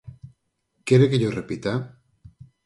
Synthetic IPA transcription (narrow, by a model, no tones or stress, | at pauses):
keɾekeʎorepit̪a